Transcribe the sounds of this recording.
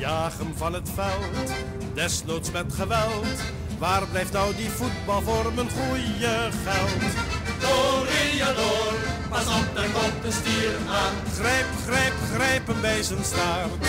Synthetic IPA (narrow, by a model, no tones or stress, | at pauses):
jaːχənvɑnətfɛlˠt | dɛslowtsmɛtχəʋɛlˠt | ʋaːrblɛjftnɔwdivut̚bɑlˠvoːrmənχujəχɛlˠtdorediadorpɑsɔp̚dəkɔtəstiːɾəna | χrɛjpχrɛjpχrɛjpənbɛjzənstaːr